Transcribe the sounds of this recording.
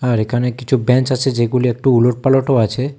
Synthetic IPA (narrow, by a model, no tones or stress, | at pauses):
aɾekʰanekit͡ʃʰubɛ̃nt͡ʃat͡ʃʰed͡ʒeɡuliek̚ʈuːloʈ̚paloʈoat͡ʃʰe